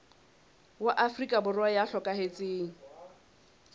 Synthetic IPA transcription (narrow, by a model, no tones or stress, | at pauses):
waʔafrikʼabʊrajaɬɔkʼahet͡sʼeːŋ̩